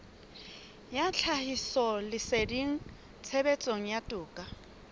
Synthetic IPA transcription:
jat͡ɬʰahisɔlɪseriŋ̩ | t͡sʰebet͡sʼoŋ̩jatʼʊːkʼa

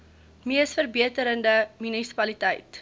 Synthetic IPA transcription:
miəsfərbiətəɾəndəmynisi̥pɐlitɛjt

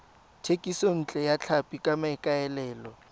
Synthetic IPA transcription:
tʰekʼison̩t͡ɬʼɛjat͡ɬʰapʼikʼamaɪkʼaɛlɛːlɔ

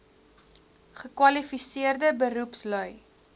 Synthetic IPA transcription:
χəkwɐlifisiərdəbəɾupslœj

